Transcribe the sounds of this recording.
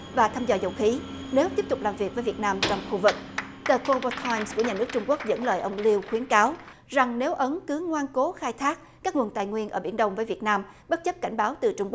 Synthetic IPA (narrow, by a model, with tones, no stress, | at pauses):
vaː˨˩t̪ʰaː˧mzɔː˨˩zə̰˨˩wxi˨˦ | ne˨˦wt̪i˦˥p̚t̪ʊ˨˩k͡p̚laː˨˩mvi˨˩ək̚vəː˨˦jvi˨˩ət̚naː˧mt͡ɕɔ˧wŋ͡mxu˧vɨ˨˩k̚ | t̪əː˧˩ko˧və˧kʰɔ˧jmsku˧˩əɲaː˨˩nɨ˦˥ək̚t͡ɕʊ˧ŋ͡mku˦˥ək̚zə̰˧˥nləː˨˩jʔə˧wŋ͡mli˧wxwi˨˦ənkaː˨˦w | za˨˩ŋne˨˦wʔə˨˦nkɨ˨˦ŋwaː˧nko˨˦xaː˧jt̪ʰaː˦˥k̚kaː˦˥k̚ŋwə˨˩nt̪a̰ː˨˩jŋwi˧ənʔəː˧˩ɓi˧˩ənɗə˧wŋ͡mvəː˨˦jvi˨˩ət̚naː˧mɓə˦˥t̚t͡ɕə˦˥p̚ka˧˩ŋ̟ɓaː˨˦wt̪ɨ˨˩t͡ɕʊ˧ŋ͡mku˦˥